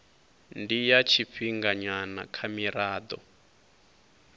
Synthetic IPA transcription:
ndijat͡ʃʰiɸiŋɡaɲanakʰamiɾaːd̪ɔ̰

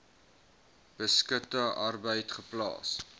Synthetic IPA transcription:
b̥əskətəʔɐrbəjtχəplɑ̰ːs

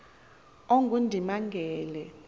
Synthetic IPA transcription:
oŋɡʱundʱimaŋɡʱɛːlɛ

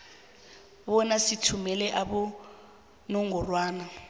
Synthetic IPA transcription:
βɔnasitʰumɛlɛʔaɓɔ | nɔŋɡɔrwaːna

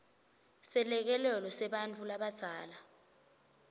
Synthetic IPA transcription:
sɛlɛk̬ɛlɛlɔsɛɓant͡fʰʼulaɓad̥z̥ʱaːla

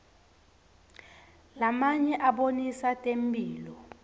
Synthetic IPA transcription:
lamaɲɛʔaɓonisatʼembʱʼiːlɔ

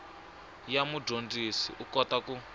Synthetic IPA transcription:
jamudondisḭʔukɔt̪aku

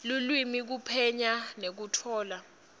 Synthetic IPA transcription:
lulwimik̬upʰɛɲanek̬utʰɔːla

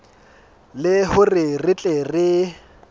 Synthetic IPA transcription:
lɪhʊrɪrɪt͡ɬʼɛrɪ

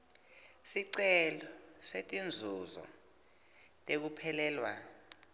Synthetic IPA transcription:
siǀɛlɔsetʼind͡zʱuzɔ̰ | tʼek̬upʰɛlɛːlwa̰

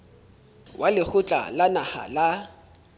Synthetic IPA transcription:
wʔalɪk͡xʰʊt͡ɬʼa̰lanaha̰la

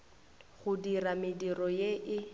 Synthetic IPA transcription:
ɣʊdiramɪdirɔjeʔɪ

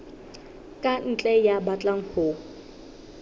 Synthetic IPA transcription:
kʼan̩t͡ɬʼɛjabat͡ɬʼaŋ̩ho

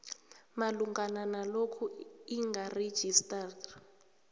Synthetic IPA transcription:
maluŋɡananalokʰuiŋɡared̥ʒ̥ʱista

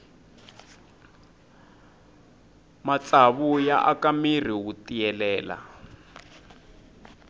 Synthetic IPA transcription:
mat͡saβuja̰ʔakamir̤iwutijɛlɛːla̰

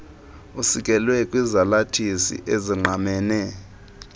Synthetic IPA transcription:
usikʼɛlwɛkʼwizalatʰisḭʔeziŋ͡ǃʱamɛːnɛ

